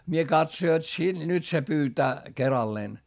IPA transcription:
mie kɑtso jot si nyt se pyːtæː kerɑlːeːn

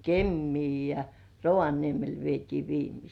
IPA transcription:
kemːiː jɑ roʋɑniemel ʋietiː ʋiːmisiː

